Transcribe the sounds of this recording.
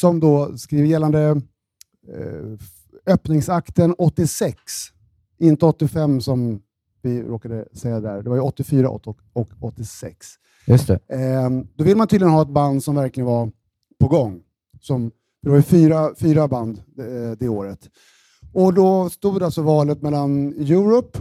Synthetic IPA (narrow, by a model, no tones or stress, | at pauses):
sɔmd̪ɔskɾiːvəjɛlːand̪ə | œpnɪŋsakt̪ənɔt̪ːɪsɛks | ʔɪnt̪əɔt̪ːɪfɛmːsɔm | vɪɾoːkad̪əsɛjːad̪ɛd̪æːɖɛvaɾjɵɔt̪ːɪfyːɾa̰ʔɔ̰t̪ː | ɔkɔt̪ːɪsɛ̰ks | jɵst̪ɛ | d̪ɔvɪlːəmanʰyːd̪lɪənhɑːɛt̪̚band̪sɔmvæɾklɪɡənvaɾ | pʰɔɡɔŋː | sɔm | fəd̪ɛvaɾjɵfyːɾafyːɾaband̪d̪ɛoːɾət̪ | ɔd̪ɔst̪uːd̪alsɔvɑːlət̪mɛlːanjʉ̟ːɾʊpː